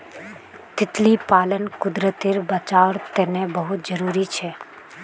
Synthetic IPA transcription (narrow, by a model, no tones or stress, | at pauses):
t̪ɪt̪lipaːlənkʊd̪ɾət̪iɾbət͡ʃaːʋɾt̪eːnebəɦʊt̪̚d͡ʒəɾuːɾit͡ʃʰe